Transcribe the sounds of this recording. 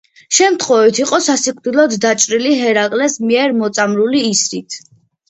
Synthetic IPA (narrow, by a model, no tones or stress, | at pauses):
ʃɛmt̪ʰχwɔvit̪ʰiqʼɔsasikʰʼvd̪ilˠɔd̪ːat͡ʃʼɾiliɦɛɾakʼlɛsmiɛɾmɔt̪sʼamɾuliːsɾit̪ʰ